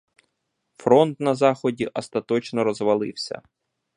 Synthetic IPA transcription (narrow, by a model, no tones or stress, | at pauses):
fɾɔnt̪nɐzɑxɔdʲiʔɔst̪ɐt̪ɔt͡ʃnɔɾɔzʋɐlˠɪwsʲɐ̰